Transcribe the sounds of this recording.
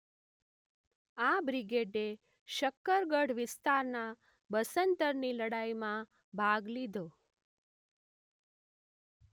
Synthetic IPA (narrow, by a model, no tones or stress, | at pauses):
abɾiɡeɖe | ʃəkːəɾɡəɽʋɪst̪aɾna | bəsənt̪əɾniləɽaimã | bʱaɡlid̪ʱo